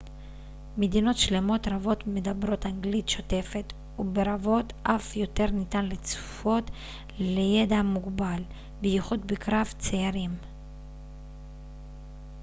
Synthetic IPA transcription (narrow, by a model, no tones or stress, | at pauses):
me̞d̪ino̞t̪ʃle̞mo̞t̪ɾavo̞tme̞d̪abɾo̞t̪aŋɡlit̪ʃo̞t̪e̞fe̞t̪ | ube̞ɾavo̞t̪ʔafjo̞t̪e̞ʁnit̪anlet͡su̥fo̞t̪ | leje̞d̪amuɡbal | beiχud̪bekɾavt͡seaɾim